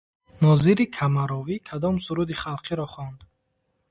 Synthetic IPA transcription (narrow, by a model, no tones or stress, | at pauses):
nɔziɾikʰamaɾɔvikʰad̪ɔmsuɾud̪iχalˠqʰiɾɔχɔnd̪